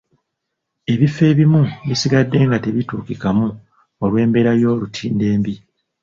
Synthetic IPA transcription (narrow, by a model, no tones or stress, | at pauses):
e̞βifːe̞ːβimuβisiɡadːe̞ːŋɡate̞βituːkikamu | olwe̞ːmbe̞ːɾajo̞ːlutʰiːnde̞ːmbi